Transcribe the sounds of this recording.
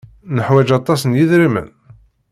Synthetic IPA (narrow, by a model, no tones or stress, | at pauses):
nəħwæd͡ʒɑt̪ˤːɑsənjiðɾimə̰n